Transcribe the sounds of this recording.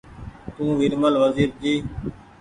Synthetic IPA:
t̪ũːʋɪɾməlʋəziːɾ̚d͡ʒiː

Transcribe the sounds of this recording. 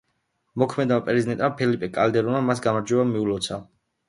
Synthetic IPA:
mɔkʰmɛd̪apʼɛɾizid̪ɛnt̪ʼmapʰɛlipʼɛkʼald̪ɛɾunamasɡamaɾd͡ʒwɛbamiulɔt̪sʰa

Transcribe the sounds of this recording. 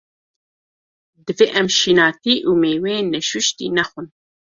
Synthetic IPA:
d̪ɨveːʔɛmʃiːnɑːt̪iːʔuːmeːwenːɛʃuʃt̪ḭːnɛxʷun

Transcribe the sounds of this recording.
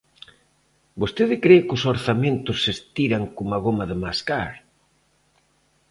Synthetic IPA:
bost̪eðɪkɾekʊsoɾθamẽnt̪ʊsːest̪iɾaŋkomaɣ̞omɐðɪmaskaɾ

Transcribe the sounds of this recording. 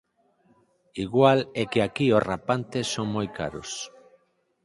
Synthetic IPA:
iɣwalekeakiorapant̪esoŋmojka̰ɾo̰s

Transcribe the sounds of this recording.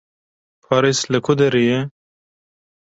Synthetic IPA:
pʰɑːɾisləkʰʊd̪eɾijɛ

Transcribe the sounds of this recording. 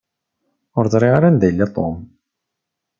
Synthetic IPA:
ʊɾzˤɾˤiʁaɾand̪æjəlːit̪ˤom

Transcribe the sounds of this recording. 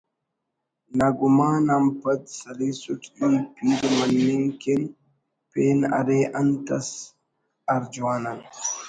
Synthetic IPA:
naɡumaːnampɐd̪sɐlisutiːpiːdɐmɐnːeŋken | peːna̰ɾeʔɐnt̪ɐs | aɾd͡ʒuaːnan

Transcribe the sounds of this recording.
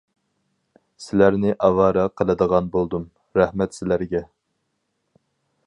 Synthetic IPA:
sɪlæɾnɪʔɑwɑːɾɑqʰəlˠɨd̪əʁɑnbolˠd̪um | ɾɛhmɛt̪sɪlæɾɡʲɛ

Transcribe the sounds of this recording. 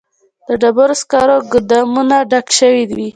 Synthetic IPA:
d̪̥əɖabaɾoskɑɾoɡʊd̪ɑmunaɖakʃəwid̪wi

